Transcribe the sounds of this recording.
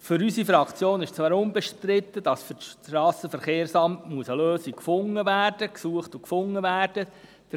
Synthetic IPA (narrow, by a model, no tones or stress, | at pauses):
fʏɾysifɾɑkt͡sjoːnɪʃt͡sʋɑːɾʊnbɛʃtɾɪt̪ːəd̥ɑsfʏɾɑːsəfəɾχeːɾsɑmtmuəsəløːsikkfʊŋːəvæːrd̥əksuəχtʊkfʊŋːəvæːrd̥ə | d̥